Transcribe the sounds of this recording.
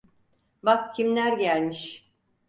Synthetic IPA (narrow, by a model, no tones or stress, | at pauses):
bakcʰimlʲæɾɟælʲmiʃ